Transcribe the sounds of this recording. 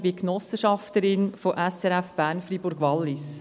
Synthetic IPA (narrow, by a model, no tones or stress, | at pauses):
bɪknɔsəʃɑft̪əɾɪnfoʔɛsɛɾɛfb̥æːɾnfribʊɾɡ̥ʋɑlːɪs